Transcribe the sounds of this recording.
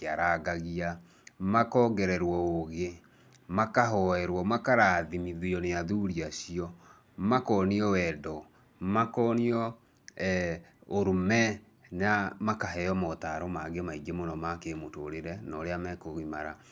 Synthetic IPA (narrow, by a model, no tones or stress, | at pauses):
aɾaɡaɣia | makɔːɡɛɾɛɾwɔoɣe | makaɦɔɛɾwɔmakaɾaðimiðiɔneaðuɾiaɕiɔ | makɔːniɔwɛdɔ | makɔniɔ | ɛoɾumɛ | namakaɦɛɔmɔtaɾɔmaɡemaiɡemonɔmakemotoɾeɾɛnɔɾeamɛkoɣimaɾa